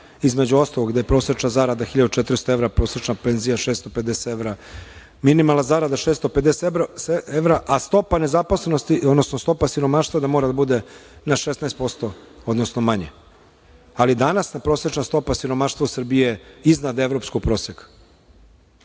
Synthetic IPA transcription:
izme̞d͡ʑuost̪aloɡd̪ejepɾosɾet͡ʃnazaɾad̪axiʎad̪ut͡ʃet̪ɾist̪oe̞vɾapɾo̞ːsɾet͡ʃnapenzijaʃest̪o̞ped̪ese̥eʋɾa | minimalˠazaɾad̪aʃest̪oped̪eseseeʋɾaʔast̪o̞pane̞zaposlenost̪iod̪nosnost̪o̞pasiɾo̞maʃt̪vad̪amo̞ːɾad̪abud̪e̞naʃesnaest̪po̞st̪o̞od̪nosnomaɲḛ | alid̪anasnapɾoset͡ʃnast̪o̞pasiɾo̞maːʃt̪vosr̩bijeiznad̪eʋɾo̞pskoɡ̚pɾo̞ːsek

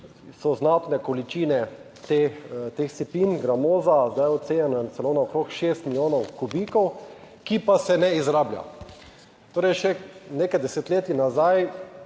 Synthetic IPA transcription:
sɔznat̪nɛkɔlit͡ʃiːnɛ | t̪et̪eːxsɛpiːnɡɾamoːzazd̪ajɔt̪t̪seːjanɔjɛnt̪sɛloːnaɔkɾoːkʃeːst̪milʲjoːnɔwkubiːkɔw | kipasɛnɛizɾaːblja̰ | t̪oːɾɛjʃɛneːkajd̪ɛsɛt̪leːt̪jinazaj

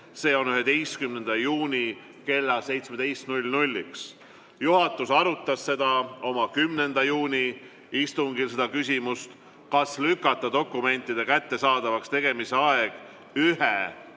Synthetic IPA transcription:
se̞ːo̞nyɦe̞d̪e̞jst̪kymne̞nd̪̥ɑjuːnʲi | ke̞lːɑse̞jt̪sme̞d̪̥e̞jst̪nulʲnulʲːiks | juɦɑt̪ːˑusɑɾut̪ːˑɑsːe̞d̪̥ɑo̞mɑkymne̞nd̪̥ɑjuːnʲi | ist̪uŋɡise̞d̪ɑkys̬ʲimust̪ | kɑslykːˑɑt̪ˑːɑd̪o̞kːˑume̞nʲt̪ːˑid̪̥e̞kæt̪ːe̞sɑːd̪̥ɑvɑkst̪e̞ɡ̥e̞mise̞ɑeɡ̥ | yhe

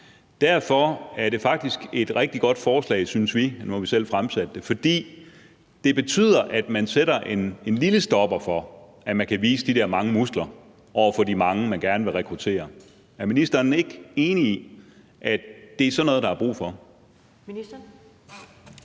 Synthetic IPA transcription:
d̥æɐ̰fɒ̽æɐɾe̝fɑ̈ɡ̥̚d̥isɡ̥e̝d̥ʁɛɡ̥̚d̥iɡ̥ɒ̽d̥fɒːslɛ̰ːɪsynsʋinuhæʋisel̰fʁamsæd̥ə̥ːe̝fɒ̽d̥ḭː | d̥e̝b̥e̝t͡sʰy̰ːð̰ˠɐʔæd̥mænsedɐʔe̝nenliləsd̥ɒ̽b̥ɐfɒ̽ | ʔæmænkʰæʋḭːsəd̥idæɐmɑ̈ŋəmusɡ̥lɐ | ʔɒ̰ʊ̰ɐfɒ̽dimɑ̈ŋəmænɡ̥æɐnəʋe̝ʁɛkʰʁut͡sʰe̝̰ːɐ | æɐminisd̥ɐːne̝ɡ̥e̝ːnii | ʔæd̥e̝æɐsɒ̽nːɔðˠd̥ɑ̈hɑ̈b̥ʁṵːfɒ̽

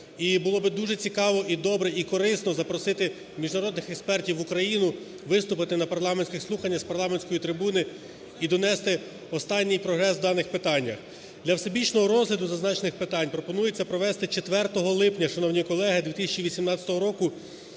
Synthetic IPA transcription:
ibʊlˠɔbɪd̪uʒɛt͡sʲikɑʋɔʔid̪ɔbɾɛikɔɾɪsnɔzɐpɾɔsɪt̪ɪ | mʲiʒnɐɾɔd̪nɪxɛkspɛrtʲiwukɾɐjinʊ | ʋɪst̪ʊpɪt̪ɪnɐpɐrlˠɑmenʲsʲkʲɪxslˠuxɐnʲːɐspɐrlˠɑmenʲsʲkɔjit̪ɾɪbunɪ | id̪ɔnɛst̪ɪ | ɔst̪ɑnʲːijpɾɔɦɾɛswd̪ɑnɪxpɪt̪ɑnʲːɐx | d̪lʲɐwsebʲit͡ʃnɔɦɔɾɔzlʲɐd̪ʊzɐznɑt͡ʃenɪxpɪt̪ɑnʲpɾɔpɔnujet͡sʲːɐpɾɔʋɛst̪ɪt͡ʃet̪ʋɛrt̪ɔɦɔlˠɪpnʲɐʃɐnɔwnʲijkɔlˠɛɦɪd̪ʲʋʲit̪ɪsʲɐt͡ʃiʋʲisʲimnɑt͡sʲɐ̥t̪ɔɦɔɾɔkʊ

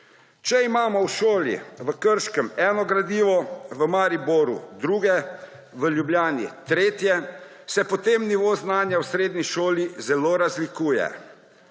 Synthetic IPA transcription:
t͡ʃɛimaːmɔwʃoːlḭʋəkəɾʃkəmɛːnɔɡɾad̪iːʋɔʋəmaːɾiboɾṵd̪ɾuːɡɛ | ʋəljubljaːnḭt̪ɾeːt̪jɛ | sɛpɔt̪eːmniʋoːznaːnjawsɾeːd̪niʃoːlizɛloːɾazlikuːjɛ̰

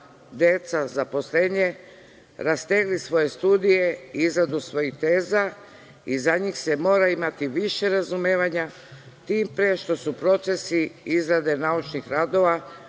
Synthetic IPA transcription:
d̪et̪sazapo̞sleɲe | ɾast̪eɡlisʋo̞je̞st̪uːd̪ije̞izɾad̪usʋo̞jit̪e̞ːza | izaɲiːxse̞mo̞ːɾaimat̪iʋiʃe̞ɾazumeːʋaɲa | t̪iːmpɾeʃt̪o̞supɾo̞t̪se̞siizɾad̪e̞naut͡ʃnixɾad̪o̞ʋa

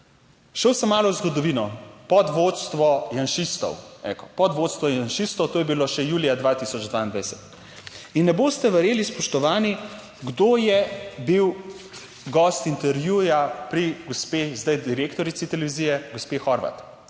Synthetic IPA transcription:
ʃəwsəmːaːlɔwzɡɔd̪ɔʋiːnɔpɔd̪ʋot̪st̪ʋɔjanʃist̪ɔ̰wɛ̰kɔ̥pɔd̪ʋoːt̪st̪ʋɔjanʃist̪ɔwt̪oːjɛbiloʃɛjuːlijad̪ʋaːt̪isɔd͡ʒd̪ʋaind̪ʋajsɛt̪ | inːɛboːst̪ɛʋɛɾjeːlispɔʃt̪ɔʋaːni | ɡd̪oːjɛbiw | ɡɔst̪int̪ɛɾʋjujapɾiɡospeːzd̪ajd̪iɾekt̪ɔɾit̪sit̪ɛlɛʋiziːjɛɡospexɔɾʋa̰t̪

